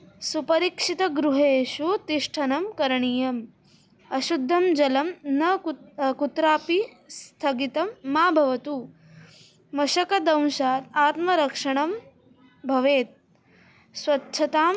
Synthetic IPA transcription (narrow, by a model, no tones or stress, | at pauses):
supɐɾiːkʂit̪ɐɡɾuɦeːʃut̪iʂʈʰɐnɐmkɐɾɐɳijɐm | ɐʃud̪ʱːɐmd͡ʒɐlɐmnɐkut̪ɾaːpi | st̪ʰɐɡit̪ɐmːaːbʱɐʋɐt̪u | mɐʃɐkɐd̪ɐ̃w̃ʃaːt̪aːt̪mɐɾɐkʂɐɳɐm | bʱɐʋeːt̪̚ | sʋɐtːʃʰɐt̪aːm